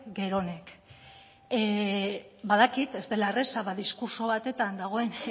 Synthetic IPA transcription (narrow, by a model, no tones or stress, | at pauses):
ɡe̞ɾo̞ne̞k | baðakit̪e̞zt̪e̞laeresaβaðiskuɾso̞β̞at̪e̞t̪and̪aɣ̞o̞e̞n